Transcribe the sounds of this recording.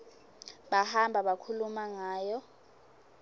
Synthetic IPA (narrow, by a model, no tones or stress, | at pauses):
ɓahambʱaɓakʰulumaŋaːjɔ